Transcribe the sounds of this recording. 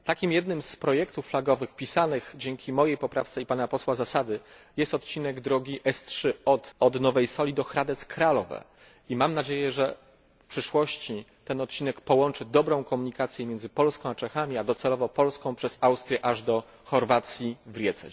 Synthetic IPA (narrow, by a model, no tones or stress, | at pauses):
t̪akʲimjɛd̪nɘmspɾɔjɛkt̪ufːlaɡɔvɘxpʲisanɘxd͡ʑɛŋkʲimɔjejpɔpɾaft̪sɛipanapɔswazasad̪ɘjɛst̪ɔt̪t͡ɕinɛɡd̪ɾɔɡʲiʔɛstʂɘɔt̪ɔd̪nɔvɛjsɔlʲid̪ɔxɾad̪ɛt̪skɾalɔvɛ̰ | imamnad͡ʑejɛʐɛ | fpʂɘʂwɔɕt͡ɕi | t̪ɛnɔt̪t͡ɕinɛkpɔwɔnt͡ʂɘd̪ɔbɾɔ̃w̃kɔmuɲikat̪sʲjɛmʲjɛnd̪zɘpɔlskɔ̃w̃at͡ʂɛxamʲiad̪ɔt̪sɛlɔvɔpɔlskɔ̃w̃pʂɛz̥awst̪ɾʲjɛʔaʐd̪ɔ | xɔɾvat̪sʲjivɾʲjɛt̪sɛ̰